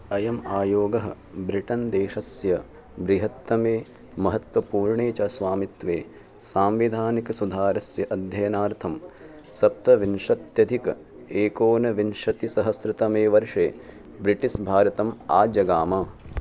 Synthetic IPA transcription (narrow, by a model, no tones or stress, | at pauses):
ɐjɐmaːjoːɡɐɦɐ̰̆ | bɾiʈɐnd̪eːʃɐsjɐ | bɾiɦɐt̪ːɐmeː | mɐɦɐt̪ʋɐpuːɾɳeːt͡ʃɐsʋaːmit̪ʋeː | saːmʋid̪ʱaːnikɐsud̪ʱaːɾɐsjɐʔɐd̪ʱjɐjɐnaːɾt̪ʰɐm | sɐp̚t̪ɐʋinʂɐt̪jɐd̪ʱikɐ | eːkoːnɐʋinʂɐt̪isɐɦɐsɾɪt̪ɐmeːʋɐɾʂeː | bɾiʈisbʱaːɾɐt̪ɐma̰ːd͡ʒɐɡaːmɐ